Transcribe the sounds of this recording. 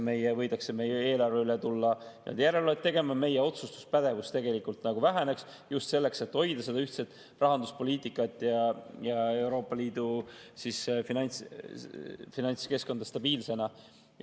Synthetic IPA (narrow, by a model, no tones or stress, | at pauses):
me̞jevɤjd̪ɑksemeje̞ːlɑrveylet̪ulːɑnḛd̪jæɾeloet̪t̪ːe̞ɡe̞mɑme̞jeo̞t̪sust̪u̥spæd̪̥e̞vust̪e̞ɡe̞likˑult̪nɑɡ̥uvæɦene̞ks | just̪se̞lːe̞kse̞t̪ːho̞jd̪̥ɑse̞d̪ɑyht̪set̪ːˑ | rɑɦɑnd̪uspo̞lʲiːt̪ˑikːˑɑt̪ːˑjɑjɑe̞wɾo̞ːpːˑɑliːd̪̥usisfinɑnʲt̪s | finɑnske̞sko̞nd̪ɑst̪ɑb̥iːlse̞nɑ